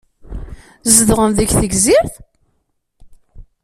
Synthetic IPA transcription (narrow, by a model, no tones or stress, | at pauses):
zəðʁəmðəçθəɡziɾθ